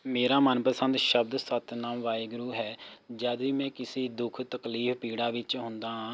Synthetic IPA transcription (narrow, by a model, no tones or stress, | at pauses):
meːɾaːmənpəsənd̪ʃəb̚d̪sət̪naːmʋaːiːɡɾuːɦɛːd͡ʒaːd̪ʋiːmɛ̃ːkɪsiːd̪ʊkʰt̪əkliːfpiːɽaːʋɪt͡ʃɦʊ̃nd̪aːɦãː